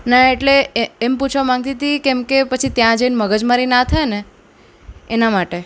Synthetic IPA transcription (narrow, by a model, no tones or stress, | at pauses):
naeʈleːmput͡ʃʰʋamãŋɡ̚t̪it̪ikɛ̃mkepət͡ʃʰit̪jãd͡ʒəinməɡəd͡ʒmaɾinat̪ʰaene | enamaʈe